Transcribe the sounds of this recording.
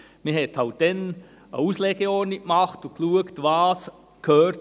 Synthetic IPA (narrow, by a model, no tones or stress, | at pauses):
miɦɛthaʊd̥ɛn | əuːsleːɡ̥əɔɹnikmɑχtʊkluəktvaːs | kʰøːt